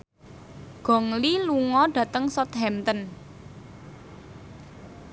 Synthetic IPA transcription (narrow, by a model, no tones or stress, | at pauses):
ɡ̥ɔ̤ŋliluŋɔɖ̥ä̤t̪əŋsɔt̪ɦɛmt̪ən